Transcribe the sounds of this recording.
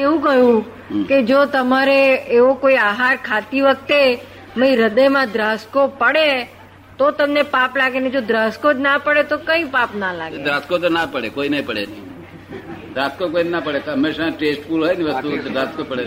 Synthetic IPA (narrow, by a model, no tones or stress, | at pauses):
eʋũkəjũ | ked͡ʒot̪əmaɾeeʋokoiaɦaɾkʰat̪iʋək̚t̪e | məĩɾəd̪əjmãd̪ɾaskopəɽe | t̪ot̪əmnepaplaɡened͡ʒod̪ɾaskod͡ʒnapəɽet̪okəĩpapnalaɡed̪ɾaskot̪onapəɽekoinəipəɽḛn | d̪ɾaskokoinenapəɽet̪əmːeʃãʈesʈfulɦojniʋəst̪ud̪ɾaskopəɽe